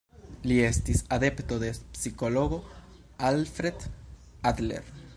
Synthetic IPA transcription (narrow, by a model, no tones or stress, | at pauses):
liest̪isaðept̪oðepsikoloɣo | alfɾed̪ | ad̪lḛɾ